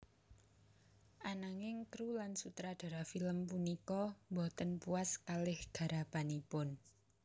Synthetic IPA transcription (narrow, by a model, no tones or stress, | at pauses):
ʔanaŋɪŋt̪ɾulansut̪ɾad̥a̤ɾafiləmpunikɔmbɔt̪ənpuaskalɪhɡ̥a̤ɾapanipʊn